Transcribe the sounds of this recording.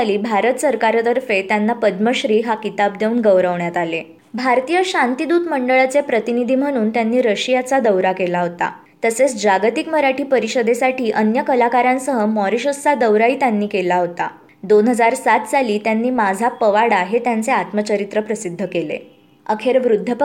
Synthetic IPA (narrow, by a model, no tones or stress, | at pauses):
liːbʱaɾət̪səɾkaɾət̪əɾfet̪janːapəd̪məɕɾiːɦakit̪ab̚d̪eunɡəʋɾəʋɳjat̪ale | bʱaɾt̪ijəɕant̪id̪uːt̪məɳɖəɭat͡sepɾət̪inid̪ʱiːm̤əɽ̃uːnt̪janːiːɾəɕijat͡sad̪əwɾakelaɦot̪a̰ | t̪əset͡sd͡ʑaɡt̪ikməɾaʈʰiːpəɾiɕəd̪ʱesaʈʰiːʔənjəkəlakaɾjãnsəɦəmɔɾiɕət͡sad̪əwɾaiːt̪janːiːkelaɦot̪a | d̪onɦəd͡zaɾsat̪t͡saliːt̪janːiːmad͡zʱapəʋaɽaɦet̪jant͡seat̪mət͡ɕəɾit̪ɾəpɾəsid̪ʱːəkelḛ | əkʰeɾʋɾud̪ʱːəp